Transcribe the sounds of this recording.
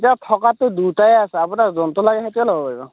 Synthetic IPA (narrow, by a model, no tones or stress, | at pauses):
tiatʰɔkatʊdutajɛasɛapunaɹzɔntɔlaɡɛɦatiɔlɔbɔpɔɹibɔ̰